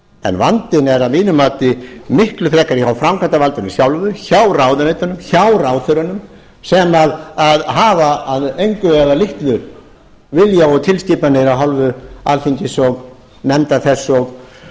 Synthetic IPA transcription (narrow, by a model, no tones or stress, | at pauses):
ɛ̰nvant̪ɪnɛɾaðmiːnʏmaːt̪ɪmɪhklʏfɾɛːkaɾɪçawfɾamkʰant̪avalt̪ʏnɪsjawlvʏçawɾawðʏnejt̪anʏmçawɾawθʏɾʏnʏm | sɛmaðaðɦaːvaːðejŋkʏɛðalɪht̪lʏɾ | vɪljaɔt̪ʰɪlsciːpanɪɾawɦɔlvʏalθiɲcɪsɔɣ | nɛmt̪aθɛsːɔɣ